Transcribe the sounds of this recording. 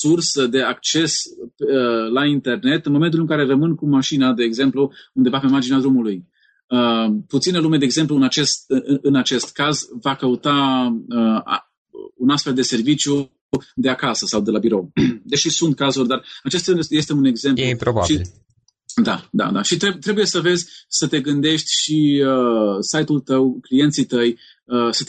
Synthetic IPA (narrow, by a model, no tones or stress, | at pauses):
sursəd̪e̞ak̚t͡ʃe̞spelaint̪e̞rne̞t̪ɨnmome̞nt̪̬ulɨŋkaɾe̞rəmɨnkumaʃinad̪e̞ːɡze̞mpluund̪e̞vapemard͡ʒinead̪ɾumuluj | əput̪sinəlume̞d̪eeɡze̞mpluɨnat͡ʃe̞st̪ɨnat͡ʃe̞st̪kazvakəut̪aəa̰ | unast̪fe̞ld̪e̞se̞rvit͡ʃju | d̪e̞akasəsawd̪e̞labiɾo̞wd̪eʃisunt̪̚kazurʲd̪arat͡ʃe̞st̪je̞st̪e̞une̞ɡze̞mlupɾoba̰ʃii | d̪ad̪a̰d̪aʃit̪ɾet̪ɾe̞bujesəve̞zʲsət̪e̞ɡɨnd̪e̞ʃt̪ʲʃiəsajt̪ult̪əwklije̞nt̪sit̪əj | əsət̪